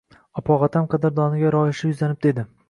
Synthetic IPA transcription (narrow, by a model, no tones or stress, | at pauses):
ɒpʰɒʁat̪ʰamqʰɑd̪aɾd̪ɒnɪɡʲaɾɒjɪʃɪjʊzlanɪb̚d̪e̞d̪ɪ